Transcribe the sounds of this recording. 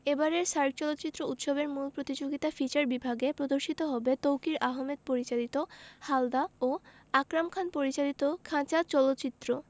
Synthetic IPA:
ebaɾeɾʃaɾɡ̚t͡ɕɔlot̪ːt͡ɕit̪ːɾout̪ʃobeɾmulpɾot̪id͡ʑoɡit̪afit͡ɕaɾbibʱaɡepɾod̪oɾʃit̪oɦɔbet̪owkiɾʔaɦomed̪̚poɾit͡ɕalit̪ohald̪ao | akɾamkʰanpoɾit͡ɕalit̪okʰãt͡ɕat͡ɕɔlot̪ːt͡ɕit̪ːɾo

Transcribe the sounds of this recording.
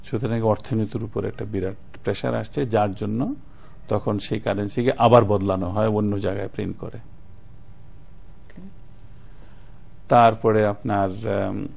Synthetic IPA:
ʃut̪ʰeɾaŋkeɔɾt̪ʰonot̪uɾupoɾɛ̰k̚ʈabiɾaʈ | pɾeʃa̰ɾa̰ʃt͡ɕʰed͡ʑaɾd͡ʑonːo | t̪ɔkʰonʃejkaɾensikeʔabaɾbɔd̪lanoɦɔeonːod͡ʑaɡaepɾḛnkɔ̰ɾe | t̪aɾpɔɾeapnaɾ

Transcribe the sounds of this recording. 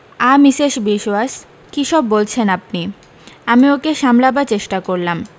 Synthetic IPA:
amiʃeʃbiʃoas | kiʃɔbːolt͡ɕʰenap̚ni | amiokeʃamlabat͡ɕeʃʈakoɾlam

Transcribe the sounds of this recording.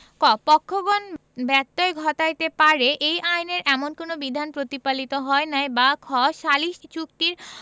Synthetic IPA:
kɔpɔkʰːoɡonbɛt̪ːoeɡʱɔt̪ajt̪epaɾeʔejʔajneɾʔɛmonkonobid̪ʱanpɾot̪ipalit̪oɦɔenaebakʰɔʃaliʃt͡ɕuk̚t̪iɾ

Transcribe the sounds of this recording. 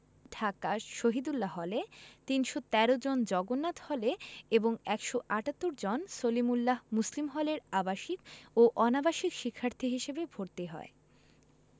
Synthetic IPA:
ɖʱakaʃoɦid̪ulːaɦɔlet̪inʃot̪ɛɾod͡ʑond͡ʑɔɡonːat̪hɔleeboŋɛkʃoʔaʈat̪ːoɾd͡ʑonsolimulːaɦmuslimɦɔleɾabaʃikoʔɔnabaʃikʃikʰːaɾt̪ʰiɦiʃebebʱoɾt̪eɦɔ̰e

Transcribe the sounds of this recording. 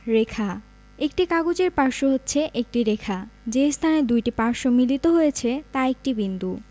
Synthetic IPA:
ɾekʰa | ek̚ʈikaɡod͡ʑeɾpaɾʃoɦotːɕʰeʔek̚ʈiɾekʰad͡ʑest̪ʰaned̪ujʈipaɾʃomilit̪oɦojet͡ɕʰet̪aek̚ʈibind̪u

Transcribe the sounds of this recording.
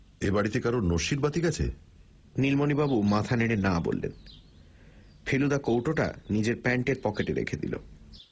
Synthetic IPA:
ebaɽit̪ekaɾonoʃiɾbat̪iɡat͡ɕʰḛ | nilmonibabumat̪ʰaneɽ̃enabo̰lːḛn | pʰelud̪akowʈoʈa̰nid͡ʑeɾpɛɳʈeɾpɔkeʈeɾḛkʰed̪ḭlo̰

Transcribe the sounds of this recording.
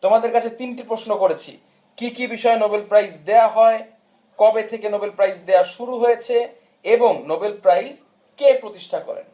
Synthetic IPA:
t̪omad̪eɾkat͡ɕʰet̪inʈipɾoʃnokoɾet͡ɕʰḭ | kikibiʃɔenobelpɾajzd̪eoaɦɔe | kɔbet̪ʰekenobelpɾajzd̪eaʃuɾuɦojet͡ɕʰe | eboŋnobelpɾajz | kepɾot̪iʃʈʰakɔ̰ɾḛn

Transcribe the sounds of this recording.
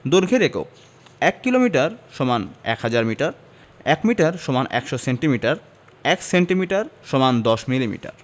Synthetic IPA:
d̪oɾɡʱeɾeko̰k | ɛkːilomiʈaɾʃɔmanɛ̰khad͡ʑaɾmiʈaɾ | ɛkmiʈaɾʃɔmanɛ̰kʃɔseɳʈimiʈaɾ | ɛkseɳʈimiʈaɾʃɔmand̪ɔʃmilimḭʈa̰ɾ

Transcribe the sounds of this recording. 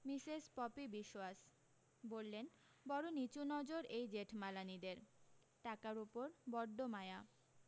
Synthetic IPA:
misespɔpibiʃoas | bolːen | bɔɾonit͡ɕunɔd͡ʑoɾejd͡ʑeʈʰmalanid̪eɾ | ʈakaɾupoɾbɔɾɖomaea

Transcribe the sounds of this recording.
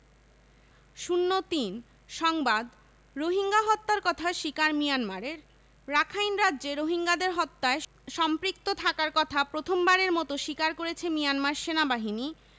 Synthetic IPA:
ʃunːot̪in | ʃɔŋbad̪ | ɾoɦiŋɡaɦɔt̪ːaɾkɔt̪ʰaeʃikaɾmijanmaɾeɾ | ɾakʰajnɾadːʑeɾoɦiŋɡad̪eɾɦɔt̪ːae | ʃɔmpɾik̚t̪ot̪ʰakaɾkɔt̪ʰapɾot̪ʰombaɾeɾmɔt̪oʃikaɾkoɾet͡ɕʰemijanmaɾʃenabaɦini

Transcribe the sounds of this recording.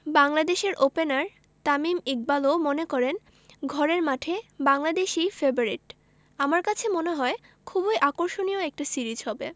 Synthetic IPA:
baŋlad̪eʃeɾʔopenaɾ | t̪amimik̚balomonekɔɾen | ɡʱɔɾeɾmaʈʰebaŋlad̪eʃifeboɾiʈ | amaɾkat͡ɕʰemoneɦɔe | kʰubojʔakoɾʃonioɛk̚ʈisiɾid͡ʑɦɔbe

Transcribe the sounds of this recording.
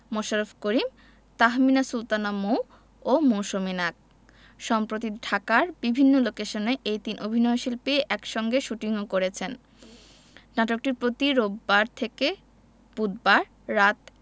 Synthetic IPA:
moʃaɾofkoɾim | t̪aɦminasult̪anamow | omoʃominak̚ | ʃɔmpɾot̪̬iɖʱakaɾbibʱinːolokeʃoneʔejt̪inʔobʱinɔeoʃilpeʔɛkʃɔŋɡeʃuʈiŋokoɾet͡ɕʰen | naʈok̚ʈiɾpɾot̪iɾobːaɾt̪ʰeke | b̥ud̪̚baɾː | at̪

